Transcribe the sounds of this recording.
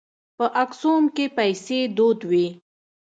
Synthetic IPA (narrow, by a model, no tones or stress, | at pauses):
pəʔaksomkepajsed̪od̪wi